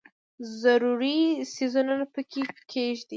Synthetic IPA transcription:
zaɾuɾisizunanapəkʰekʰeʒd̪i

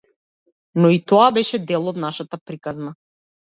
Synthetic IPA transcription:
nɔit̪ɔabɛʃɛd̪ɛlˠɔd̪naʃat̪apɾikazna

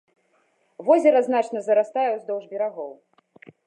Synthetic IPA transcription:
vɔzʲɛɾɐznat͡ʂnɐzɐɾast̪ajɛwzd̪ɔwʐbʲɛɾaɣɔw

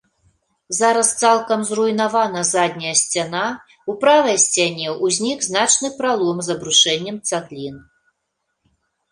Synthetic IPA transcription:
zaɾɐst̪salˠkɐmzrujnavanɐzad̪ʲnʲɐjɐsʲt͡sʲana | upɾavɐjsʲt͡sʲanʲɛuzʲnʲikznat͡ʂnɨpɾalˠɔmzɐbɾuʂɛnʲːɛmt̪saɣlʲin

